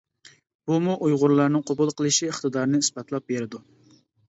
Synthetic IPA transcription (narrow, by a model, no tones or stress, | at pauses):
b̥umuʔujʁʊɾlˠɑɾnɨŋqʰobʊlˠqʰəlˠɨʃiəχt̪ɨd̪ɑɾnɨisbɑt̪lˠɑp̚beɾɪd̪u